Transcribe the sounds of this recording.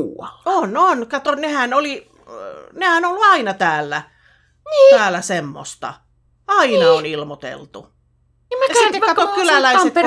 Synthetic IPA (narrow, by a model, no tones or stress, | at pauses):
ɑononkɑt̪onehænoli | nehænolːuɑinɑt̪æːlːæ | t̪æːlːˑæsemːo̰st̪ɑ̰ | ɑinɑonilmot̪ḛlt̪u | mæjɑsit̪ːekkɑtokylælæisee